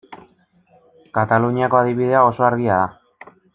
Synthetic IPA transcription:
kat̪aluɲiako̞aðiβiðe̞ao̞so̞aɾɣiaða

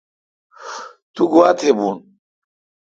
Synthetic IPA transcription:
t̪uɡuwat̪ʰebun

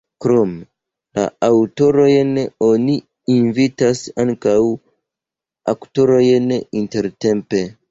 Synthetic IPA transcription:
kɾom | la̰awto̞ɾo̞jno̞ni | invitasaŋkaw | akto̞ɾo̞jninte̞ɾte̞mpe̞

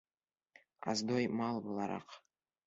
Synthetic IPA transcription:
a̰zd̪ojmalˠbolˠaɾa̰qʰ

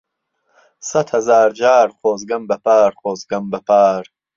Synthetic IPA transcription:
sɐt̪hɐzaːɾd͡ʒaːɾχoːzɡɐmbɐpʰaːɾχoːzɡɐmbɐpʰaːɾ

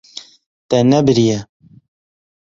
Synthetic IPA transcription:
t̪ɛnɛbɨɾijɛ

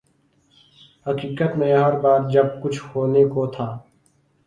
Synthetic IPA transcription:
hɐkiːkət̪mẽɦəɾbaːɾ̚d͡ʒɐb̚kʊt͡ʃʰhoːnekot̪ʰaː

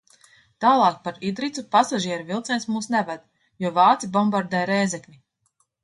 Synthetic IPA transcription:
t̪aːlˠɑːk̚paɾid̪ɾit̪supasaʒiɛɾuvilˠt̪sɛnsmuːsnɛvɛd̪ | juɔvaːt̪sibɔmbaɾd̪ɛjɾɛjzɛknʲi

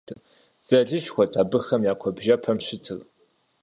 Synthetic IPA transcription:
d͡z̥ɐɮɨɕxʷɔtʰaːbɨxɐmjaːkʷʰɔbʒɐpʰɐmɕɪtʰɨr

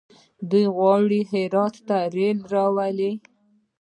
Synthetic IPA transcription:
d̪ujɣwɑɽiɦɪɾɑt̪ːaɾelɾɑwali

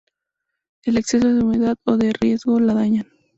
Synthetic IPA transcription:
elekse̞s̬oðeumeðaðoðerje̞zɣo̞laðaɲan

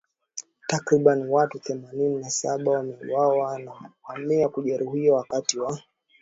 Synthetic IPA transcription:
takɾiɓaniwatuθɛmanininasa̰ɓawamɛḭwawanawamiakuʄɛɾuhiawakatiwa

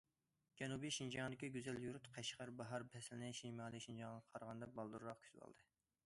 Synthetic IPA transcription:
d͡ʒɛnubiʃind͡ʒɑŋd̪ɪkʲiɡʲyzɛljuɾut̪qʰɛʃqɑɾbɑɦɑɾpʰɛslɪnɪʃimɑːlˠiʃind͡ʒɑŋʁɑqʰɑɾʁɑnd̪ɑbɑlˠd̪uɾɾɑqkʲʰy̥t̪bɑ̰lˠd̪ɨ

